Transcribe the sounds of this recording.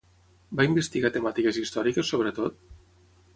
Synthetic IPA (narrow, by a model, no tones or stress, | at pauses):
baimbest̪iɣat̪əmat̪ikəzist̪ɔɾikəsːoβ̞ɾət̪ot̪̚